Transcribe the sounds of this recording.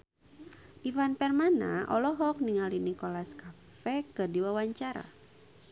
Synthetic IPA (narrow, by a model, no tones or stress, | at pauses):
ʔifanpɛrmana̰ʔɔlɔɦɔk̚niŋalinikolaska | fɛkɨrdiwawaɲt͡ʃaɾa̰